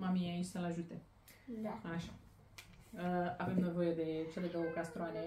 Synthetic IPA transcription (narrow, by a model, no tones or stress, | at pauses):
mamiait͡ʃʲsəlaʒut̪e̞ | aʃa | əave̞mne̞vo̞je̞d̪e̞t͡ʃaled̪owəkast̪ɾoane